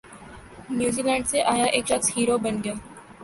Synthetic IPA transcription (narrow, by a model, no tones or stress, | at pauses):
njuːziːlɛ̃ːɳɖseʔaːjaʔeːkʃəkshiːɾobɐnɡɐjaː